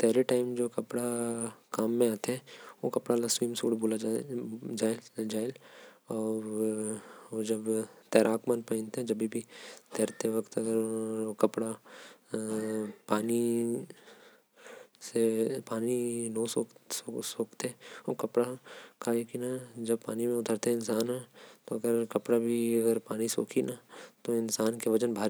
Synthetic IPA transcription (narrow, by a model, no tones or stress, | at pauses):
pɛɦleʈaːɪmd͡ʒoːkɐpɽakaːmːẽaːt̪eɦɛ̃ʋokɐpɽalaswiːmsṵːɽbuːla | d͡ʒaːed͡ʒaːelɔːɾ | od͡ʒɐbt̪ɛːɾʔaːkmənpɐɪ̃nt̪ɦɛ̃d͡ʒɐbʱibʱit̪ɛːɾt̪eʋɐkt̪ɐɡəɾkɐpɽa | paːni | sepaːninoːsoːkosoːkt̪eɦɛ̃okɐpɽakajekinad͡ʒɐbpaːnimẽʊt̪ʰəɾt̪eɦɛɪnsaːnɦɛt̪oɐɡəɾkɐpɽabʱiɐɡəɾpaːniso̰ːkʰinat̪oɪnsaːnkeʋɐd͡ʒənbʱaːɾ